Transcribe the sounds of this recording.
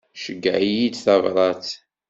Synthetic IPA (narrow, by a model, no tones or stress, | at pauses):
ʃəɡːəʕijid̪θævɾˤɑt͡s